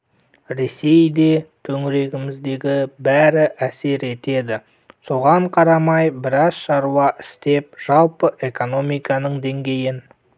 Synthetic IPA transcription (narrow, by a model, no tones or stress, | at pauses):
ɾe̞se̞jd̪e̞t̪ʰɵŋɪɾe̞ɡʲɪmɪzd̪e̞ɡʲɪbæɾɪʔæse̞ɾe̞t̪e̞d̪ɪ | so̞ʁɑɴqʰɑɾɑmɑjbɪɾɑzʃɑɾuɑʔɪst̪e̞p̚ʒ̥ɑlˠpəʔe̞ko̞no̞mijkɑnəɴd̪e̞ŋɡʲe̞jɪn